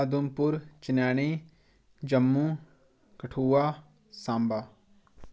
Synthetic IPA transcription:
ad̪umpʊɾt͡ʃɪnɛːɽ̃iː | d͡ʒəmːũː | kəʈʰuːaː | sãːmbaː

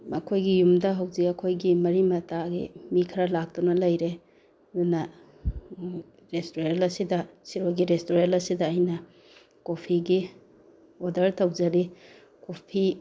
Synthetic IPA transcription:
mɐkʰojɡijumdɐɦɐwzikɐkʰojɡimɐɾimɐtaɡḭmikʰɐɾɐlak̚tunɐlɐjɾe | unɐ | ɾestoɾelɐsidɐsiɾoɡiɾestoɾelɐsidɐːjnɐ | kopʰiɡi | odɐɾtʰɐwd͡ʒɐɾi | kopʰi

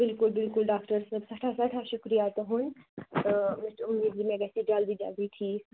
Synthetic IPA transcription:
bɪlkʊlbɪlkʊlɖaːkʈəɾsəbsɐʈʰaːsɐʈʰaːʃʊkɾijaːt̪ɦʊnt̪əmɪsʈʊmiːd̪d͡ʒiːmɛ̃ːɡɛːsiːd͡ʒald̪iːd͡ʒa̰ːɡiʈʰiː

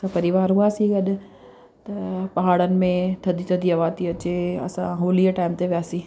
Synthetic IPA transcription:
ãpɐɾiʋaːɾɦʊ̃aːsĩɡɐɗ | t̪ɐpɐɦaːɽənɪ̆mẽt̪ʰɐd̪ʱit̪ʰɐd̪ʱiɐʋaːt̪iɐt͡ɕeɐ̰sã̰ɦoːliəʈaːɪmt̪eʋijaːsĩː

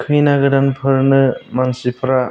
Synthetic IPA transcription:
kʰɯjnaɡɯdanpʰɯɾnɯmansipʰɾa

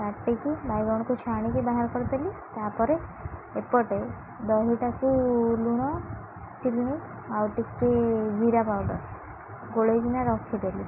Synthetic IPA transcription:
kaʈːekibajɡɔɽ̃ɔkut͡ʃʰaɽ̃ikebaɦaɾkɔɾɔt̪elit̪apɔɾeepɔʈe | d̪ɔɦiʈakuluɽ̃ɔ | t͡ʃilni | bawʈikːed͡ʒʱiɾapawɖɔ̰ɾ | ɡoɭed͡ʒinaɾɔkʰid̪eli

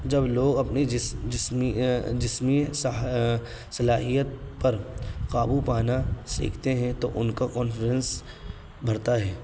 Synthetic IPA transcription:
d͡ʒɐbloːɡɐpnid͡ʒɪsd͡ʒɪsmis | sɐlaːɦijət̪̚pɐɾkaːbupaːnasḭːkʰt̪eɦɛ̃t̪oʔʊnkakɔːnfɾə̃ns | bʱɐɾt̪aɦɛː

